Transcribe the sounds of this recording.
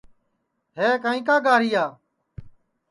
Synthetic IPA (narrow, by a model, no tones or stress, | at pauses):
ɦeːkaːĩːk̬aːɡaːɾiːaː